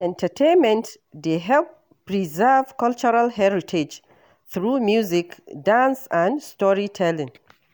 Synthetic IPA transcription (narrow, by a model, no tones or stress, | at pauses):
ɛ̃ntʰətʰẽnmɛ̃nt | deɦɛlp | pɹizɛv̥kʌlt͡ʃəɹalhɛɹitʰed͡ʒ | θɹumjuzikdãnsãnstɔɹitʰɛlɪ̃ŋ